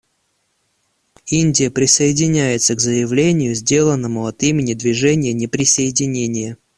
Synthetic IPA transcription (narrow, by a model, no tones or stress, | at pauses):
inʲdʲɪjəpɾʲɪsəɪdʲɪnʲæjɪt̪səɡzəjɪvlʲenʲɪjʊzʲdʲe̞lˠənːəmʊɐt̪imʲɪnʲɪd̪vʲɪʐɛnʲɪjənʲɪpɾʲɪsəɪdʲɪnʲenʲɪjə